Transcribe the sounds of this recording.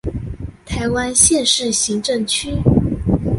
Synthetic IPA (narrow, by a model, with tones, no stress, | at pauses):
t̪ʰa˧˥ɪwa˥nɕjɛ˥˧nʂɻ̩˥˩ɕi˧˥ŋʈ͡ʂɤ˥˩ŋt͡ɕʰy˥